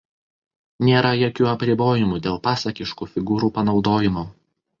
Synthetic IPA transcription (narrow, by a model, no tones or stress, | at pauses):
nʲeːɾɐjokʲuːɐpʲɾʲɪboːjɪmuːd̪ʲeːlˠpɑːsɐkʲɪʃkuːfʲɪɡuːɾuːpɐnɒʊd̪oːjɪmoː